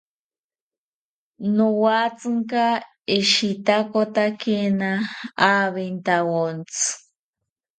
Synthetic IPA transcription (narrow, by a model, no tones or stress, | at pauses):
nowat͡sɨŋka | iʃit̪akot̪akenaː | βent̪awont͡sɨ̥